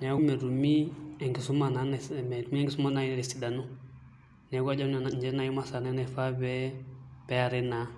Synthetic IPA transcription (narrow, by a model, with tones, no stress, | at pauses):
ɲa˨˦ɡu˦mɛ˨ɾu˨mi˦ɛ˨ŋɡɪ˨su˦ma˨na˨n˨mɛ˨ɾu˨mi˦ɛ˦ŋɡɪsu˦ma˦na˨˦i˦˨ɾɛ˨si˨da˨nu˦ | nɛ˨˦ɡa˦d͡ʒa˦˨ɲd͡ʒɛ˦na˨ji˦ma˦sa˨nɛ˦nɛ˨fa˦bɛ˦b̥ɛ˦a˨ɾɪ˦na˨